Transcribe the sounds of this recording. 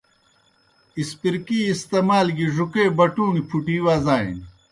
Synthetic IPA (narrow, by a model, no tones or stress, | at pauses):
ispiɾkiːst̪eːmaːlɡiʐukeːbɐʈuːnipʰuʈiːwaːzaːḭni